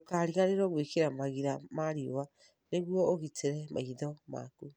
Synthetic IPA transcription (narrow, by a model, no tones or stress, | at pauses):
okaɾiɣaɾeɾɔɣwikeɾamaɣiɾamaɾiwa | neɣwɔːɣitʰeɾɛmʔa̰iðɔma̰ku